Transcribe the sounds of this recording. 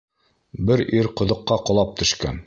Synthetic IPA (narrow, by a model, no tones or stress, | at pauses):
bɘɾiɾqŏðŏqːɑqŏlˠɑp̚t̪ɵ̆ʃkæ̰n